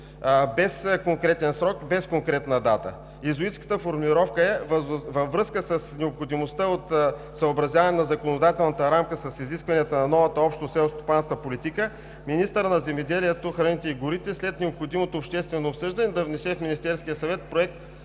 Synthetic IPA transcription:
bɛskoŋkɾɛt̪ɛnsɾɔkbɛskoŋkɾɛt̪nəd̪at̪ə̰ | izoit̪skə̥t̪əfoɾmlʲiɾɔfkəɛvvəvːɾɤskəsəsnɛopxod̪imost̪əot̪ | səobɾɐzʲjavɐnɛnɐzɐkonod̪at̪ɛlˠnɐt̪əɾamkəsɐsiziskvɐniət̪ənɐnɔvɐt̪əɔpʃt̪osɛlˠst̪o̥pansk̪vəpolit̪ikə | minist̪əɾnɐzɛmɛd̪ɛliɛt̪oxɾɐnit̪ɛiɡʊɾit̪ɛslɛt̪nɛopxod̪imot̪oːpʃt̪ɛst̪vɛnoːpsɤʒd̪ɐnɛd̪ɐvnɛsɛfminist̪ɛɾsk̟ʲijəsɐvɛt̪̚pɾoɛk̚t̪

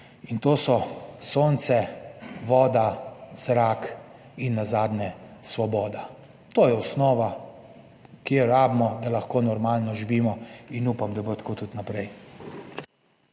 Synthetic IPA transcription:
int̪oːsɔsoːnt̪sɛʋɔːd̪az̥ɾaːk | inːazaːd̪nɛsʋɔbɔːd̪a | t̪oːjɛɔsnɔːʋa | kjeɾaːbmɔd̪alaxkoːnɔɾmaːlnɔʒiʋiːmɔinuːpamd̪abot̪koːt̪ut̪napɾɛj

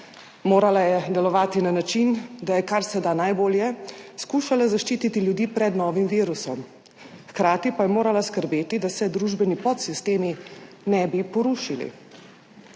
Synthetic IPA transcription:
moːɾalajɛd̪ɛlɔʋaːt̪inanat͡ʃind̪ajɛkaɾsɛd̪anajboːljɛskuːʃalazaʃt͡ʃiːt̪it̪iljud̪iːpɾɛd̪nɔːʋimʋiːɾusɔm | xkɾaːt̪ipajɛmoːɾalaskəɾbeːt̪id̪asɛd̪ɾuːʒbɛnipɔt̪sist̪eːmi | nɛbipɔɾuːʃilḭ

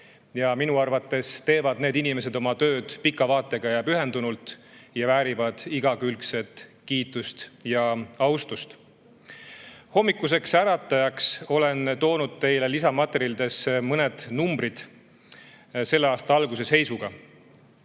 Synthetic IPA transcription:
jɑminuɑrvɑt̪ːˑe̞st̪e̞ːvɑd̪neːd̪inime̞s̬e̞d̪o̞mɑt̪ø̞ːd̪̥pikːˑɑvɑːt̪ːˑe̞ɡ̥ɑjɑpyɦe̞nd̪unult̪ˑ | jɑvæːɾivɑd̪̥iɡ̥ɑkylkse̞t̪kiːt̪ːˑust̪jɑɑwst̪ust̪ | ho̞mːikːˑus̬e̞ksæɾɑt̪ːˑɑjɑkso̞le̞nt̪o̞ːnud̪̥̚t̪e̞jle̞lisɑmɑt̪eɾild̪e̞smɤne̞d̪̥numbɾid̪̥ | se̞lːeɑːst̪ɑɑlɡus̬e̞se̞jsuɡ̥ɑ

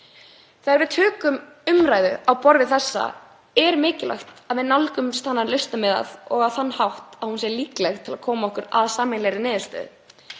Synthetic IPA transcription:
θaɣaɾvɪðt̪ʰœːkʏm | ʏmɾaːjðʏawpɔɾvɪθɛsːa̰ | ɛɾmɪːcɪla̰xt̪aðmɪðnalkʏmst̪ʰanːanlœst̪amɛða̰ðɔɣaðθanːhawht̪aðhunsjɛɾliːklɛxt̪ʰɪlaðkʰɔːmaɔhkʏɾa̰ðsaːmɪnlɛjɾɪnɪːðʏst̪œ̰ːð

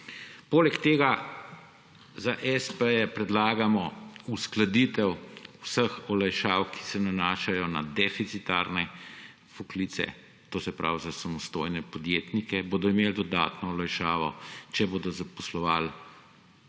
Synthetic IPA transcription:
poːlɛkt̪eːɡa | zaʔɛspəjɛpɾɛd̪laːɡamɔusklad̪it̪ɛwwsəxɔlajʃawkʰi̥sɛnanaːʃajɔnad̪ɛfit̪sit̪aɾnɛ | fɔklit̪sɛ̰ | t̪oːsɛpɾa̰wzasamɔst̪ojnɛpɔd̪jeːt̪nikɛboːd̪ɔimeld̪ɔd̪a̰ːt̪nɔɔlajʃaːʋɔt͡ʃɛboːd̪ɔzapɔslɔʋal

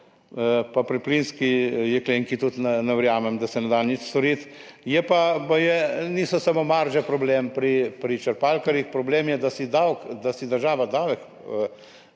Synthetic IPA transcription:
papɾiplinskijɛkleːŋkit̪ut̪nɛnɛʋɾjaːmɛmd̪ɐsɛnɛd̪anit͡ʃst̪ɔɾit̪ | jɛpabajɛnisɔsamomaɾʒɛpɾɔbleːmpɾipɾit͡ʃɛɾpalkaɾjixpɾɔbleːmjɛd̪asid̪awkd̪asid̪əɾʒaːʋad̪awɛk

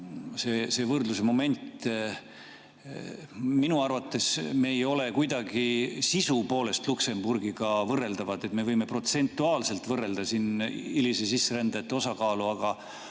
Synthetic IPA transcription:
se̞ːse̞ːvɤrd̪lus̬emo̞me̞nʲt̪ | minuɑrvɑt̪ˑːe̞sme̞ːjo̞le̞kujd̪ɑɡisisupo̞ːle̞st̪lukse̞mburɡ̥iɡ̥ɑvɤrːe̞ld̪̥ɑvɑd̪̥e̞t̪me̞vɤjme̞pro̞t̪se̞nt̪ːˑuɑːlse̞lt̪vɤrːe̞ld̪̥ɑsinilisesisːeɾænd̪̥ɑt̪ːeo̞sɑkɑːluɑɡ̥ɑ

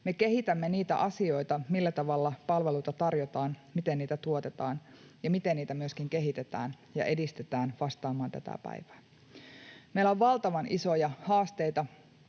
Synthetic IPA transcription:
me̞ke̞ɦit̪æmːeniːt̪æ̰ʔɑsio̞jt̪ɑmilːæt̪ɑʋɑlːɑpɑlʋe̞lujt̪ɑt̪ɑrjot̪ɑːnmit̪enniːt̪æt̪uot̪e̞t̪ɑːn | jɑmit̪enniːt̪æmyøskiŋke̞ɦit̪et̪æ̰ːn | jɑ̰ʔe̞dist̪et̪æːnʋɑst̪ɑːmɑːnt̪æ̰t̪æ̰pæ̰iʋæː | meilæoʋʋɑlt̪ɑʋɑnʔiso̞jɑhɑːst̪ejt̪ɑ

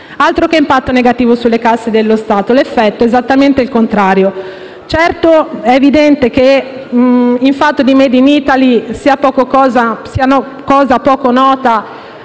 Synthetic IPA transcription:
alt̪ɾokeimpat̪ːoneɡat̪iːvosulːekasːed̪elːost̪aːt̪olefːɛt̪ːoezat̪ːament̪eilkont̪ɾaːɾjo | t͡ʃɛrt̪oɛːvid̪ɛnt̪ek̟e | iɱfat̪ːod̪imed̪init̪alisiːapɔːkokɔːzasianɔ | kɔːzapɔːkonɔːt̪a

